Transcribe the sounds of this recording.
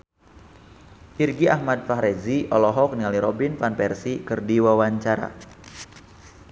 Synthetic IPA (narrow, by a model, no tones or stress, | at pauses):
ʔirɡiʔahmad̪̚faɦɾɛziɔlɔɦɔknialiɾɔbinfanpɛrsikɨrdiwawaɲt͡ʃaɾa̰